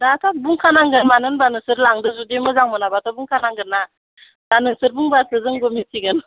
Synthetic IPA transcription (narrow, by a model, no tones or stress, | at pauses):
datʰabuŋkʰanaŋɡɯɾmanɯnbanɯsɯɾlaŋdɯzudemɯzaŋmɯnabatʰabuŋkʰanaŋɡɯɾna | danɯŋsɯɾbuŋbasɯzɯŋɡɔmitʰiɡɯn